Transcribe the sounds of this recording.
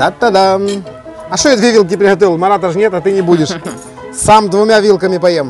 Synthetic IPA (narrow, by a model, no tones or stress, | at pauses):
at̪ːɐd̪am | ɐʂt̪ojad̪vʲevilˠt̪̬ʲɪpɾʲɪɦɐt̪̬ovʲɪlˠmɐɾat̪ɐʂnʲet̪ɐt̪ɨnʲɪbudʲɪʂ | samd̪vʊmʲavʲilˠkəmʲɪpɐjem